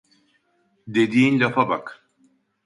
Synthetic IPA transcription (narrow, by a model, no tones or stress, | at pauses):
d̪e̞d̪iːnlʲafabak